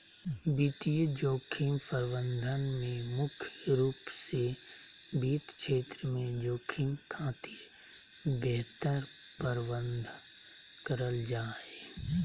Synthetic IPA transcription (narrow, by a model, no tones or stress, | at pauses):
bit̪ijəd͡ʒoːkʰimpəɾbənd̪ʱənmẽmʊkʰjəɾuːpse | biːt̪kʃʰeːt̪ɾəmẽd͡ʒoːkʰimkʰaːt̪iːɾ | bɛɦt̪əɾ | pəɾbənd̪ʱ | kəɾəld͡ʒaːeː